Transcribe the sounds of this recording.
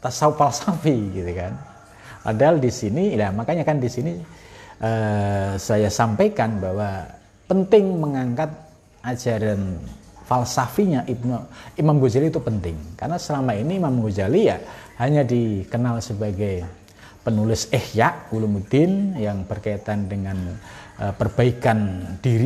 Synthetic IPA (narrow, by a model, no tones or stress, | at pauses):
t̪asaufalsafiɡit̪ukan | pa̰daɦaldisinilamakaɲakandisiniʔəːsajasampajkanbawa | pənt̪ɪŋməŋaŋkat̪̚ | ad͡ʒaɾanfalsafiɲaʔinimamɡod͡ʒaliːt̪upənt̪ɪŋka̰rnasəlamainiːmamɡod͡ʒalijahaɲadikənalsəbaɡaj | pənulɪsehjaʔulumud̪ɪnjaŋb̥ərkaat̪andəŋanʔəpərb̥aikand̥iɾi